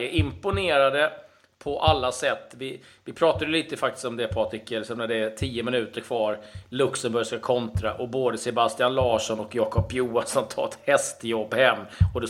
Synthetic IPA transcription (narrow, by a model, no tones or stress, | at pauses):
əʔɪmpʊneːɾad̪ə | pʰɔʔalːasɛt̪ːvɪ | vɪpʰɾɑːt̪ad̪jəliːt̪əfak̚t̪ɪ̥st̪ɔmd̪ɛpʰɑːt̪ʰɾɪkːəlɪksɔmnæɖɛːt̪ʰiːəmɪnʉ̟ːt̪əɾkʰvɑːɾlɵksəmbɵɾʂkakʰɔnt̪ɾa̰ʔɔboːd̪əsɛbast̪ɪanlɑːʂɔnɔkjɑːkʰɔpːjuːansɔmt̪ʰɑ̰ːɛt̪hɛst̪jɔbːhɛmːɔd̪ɛ